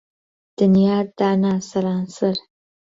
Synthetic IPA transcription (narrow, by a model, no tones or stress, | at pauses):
d̪̥ənijɑɾd̪ɑnɑsaɾɑnsəɾ